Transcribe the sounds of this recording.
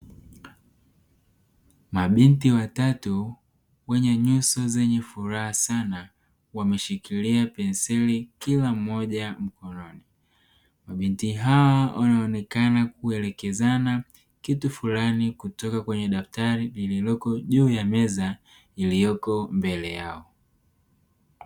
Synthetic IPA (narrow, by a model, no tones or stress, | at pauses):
maɓintiwatatu | wɛɲɛɲusɔzɛɲɛfuɾahasana | wamɛʃikiliapɛnsɛlikilam̩ːɔʄam̩kɔnɔni | maɓintiɦawawʔanaɔnɛkanak̚uɛlɛkɛzana | kitufulanikutɔkakwɛɲɛɗaftaɾilililɔkɔʄuːjamɛza | ilijɔkɔmbɛlɛjaɔ